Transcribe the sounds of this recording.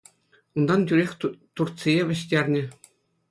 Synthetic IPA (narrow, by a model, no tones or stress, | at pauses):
und̪ɑntʲyɾʲexʲt̪urt̪sʲijeʋʲɘ̆ɕtʲerʲnʲɘ̆